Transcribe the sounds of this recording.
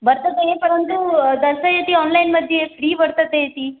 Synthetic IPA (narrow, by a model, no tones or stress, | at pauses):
ʋəɾt̪ət̪ejepəɾənt̪ud̪əsəjet̪iːɔnlainməd̪ʱːjefɽiːʋəɾt̪ət̪ejet̪iː